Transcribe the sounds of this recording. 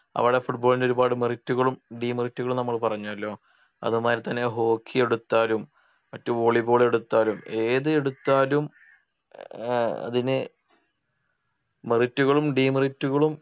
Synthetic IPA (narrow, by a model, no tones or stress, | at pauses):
ɐ̰ʋiɽefuʈboːlindeo̞ɾubaːɽɨmeritːuɣɐɭumɖiːmɐritːuɣɐɭumnɐmːɐɭpɐrɐɲːuɐlːo̞ː | ɐ̰ðumaːɾit̪ːɐnːe̞ɦo̞ːkʰːije̞ɽut̪ːaːlum | mɐtːumoɭibo̞ːɭeɽut̪ːaːlume̞ːðɨe̞ɽut̪ːaːlum | ɐ̰ðinɨ | meritːuɣɐɭumɖiːmiritːuɣɐɭum